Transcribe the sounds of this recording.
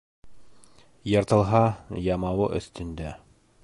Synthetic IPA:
jɤ̆ɾt̪ɤ̆lˠɦɑjɑmɑwɤʔɵ̰̆θt̪ɵ̆nd̪æ

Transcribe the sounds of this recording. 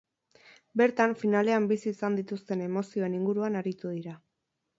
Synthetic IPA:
be̞ɾt̪aɱfinale̞ambisiːsand̪it̪ust̪e̞ne̞mo̞sio̞e̞niŋɡuɾuanaɾit̪uð̞iɾa

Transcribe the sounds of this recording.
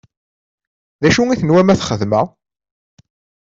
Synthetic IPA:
ðæʃuŋiθənwæmæθχəðmə

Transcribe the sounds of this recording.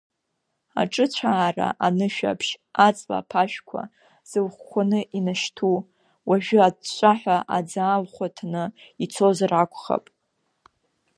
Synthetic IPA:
a̰ʈ͡ʂʼɨt͡ɕʷʰaːra̰ʔanɨʃᶣa̰pʰʃat͡sʼla̰pʰaʃᶣkʷʰa̰ | z̥ɨlχʷkʷanɨʔinaʃtʰu | waʒᶣʏat͡ʃʷʼaħʷᶣaʔad͡zaːlχʷatʰanɨit͡sʰo̞zarakʷʰʼχa̰pʼ

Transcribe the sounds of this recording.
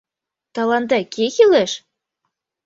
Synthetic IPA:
t̪ɑlɑnd̪ɑkexileʃ

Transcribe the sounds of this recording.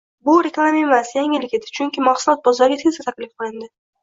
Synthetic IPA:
bʊɾʲeklˠamemasjaŋʲɪlɪkʲe̞d̪ɪ̥t͡ʃʰʊŋkʲɪmaχsʊlˠɒt̪̚bɒzaɾɡʲat̪ʰezat̪ʰakʲlɪfqɨlˠɪnd̪ɪ

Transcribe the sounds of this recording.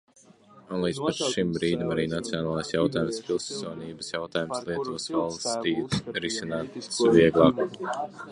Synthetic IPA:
unlˠiːd̪zpaɾʃimbɾiːd̪imaɾiːnat̪sijonaːlˠasjawt̪aːjumspʲilˠsuɔniːbəsjawt̪aːjumslˠiɛt̪uɔsvalˠst̪iːt̪ɾisinaːt̪sviɛɡlˠɑːk

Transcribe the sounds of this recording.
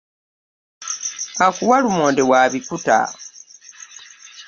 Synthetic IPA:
akuwalumoːndewaβikuta̰

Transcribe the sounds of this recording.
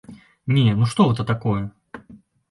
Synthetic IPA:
nʲenuʂt̪ɔɦɛt̪ɐt̪akɔjɛ

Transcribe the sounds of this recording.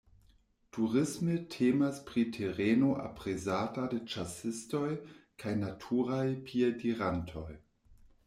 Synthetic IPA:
tʰuʁɪsmetʰeːmaspʁitʰeʁeːnoʔa̰pʁezaːtadet͡ʃasɪstojkʰajnatʰuːʁajpʰiediʁantʰoj

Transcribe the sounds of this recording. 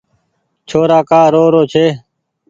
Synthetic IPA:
t͡ʃʰoːɾaːkaːɾoːɾoːt͡ʃʰeː

